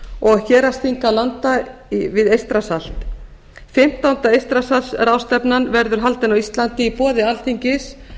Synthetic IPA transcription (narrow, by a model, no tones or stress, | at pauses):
ɔɣçɛːɾast̪iŋkalant̪aivɪðejst̪ɾasal̥t̪ | fɪm̥t̪awnt̪aejst̪ɾasasrawst̪ɛpnanvɛɾðʏɾ̥ɦalt̪ɪnawist̪lant̪ɪipɔːðɪal̥t̪iɲcɪs